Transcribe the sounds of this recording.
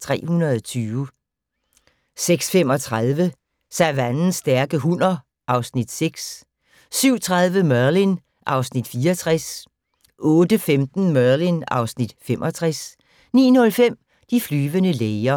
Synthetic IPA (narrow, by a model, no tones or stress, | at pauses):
t͡sʰʁɛ̰ːhunɐðˠt͡sʰyːʋə | seɡ̥sfem̰ɒ̽t͡sʰʁaðˠʋə | sæʋænn̩sːd̥æɐɡ̥əɦunɐ | ʔɑ̈ʊsnid̥seɡ̥s | syʊ̰t͡sʰʁaðˠʋəmɶɐlin | ʔɑ̈ʊsnid̥fiːɒt͡sʰʁɛs | ʔɔ̽ːd̥əfemd̥n̩mɶɐlinɑ̈ʊsnid̥fem̰ʔɒ̽t͡sʰʁas | nḭːnɔ̽lfem̰ | d̥iflyːʋənəleɪɐ